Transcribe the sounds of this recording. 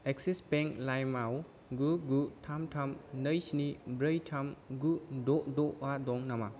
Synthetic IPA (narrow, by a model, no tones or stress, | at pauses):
eksispeŋklajmaw | ɡuɡutʰamtʰamnəjsnibɾəjtʰamɡudɔdɔadɔŋnama